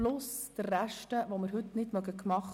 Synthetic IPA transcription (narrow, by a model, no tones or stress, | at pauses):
lʊsd̪̥ərːæʃtəʋomɪɾɦɵt̪nɪtmœɡəkmɑχ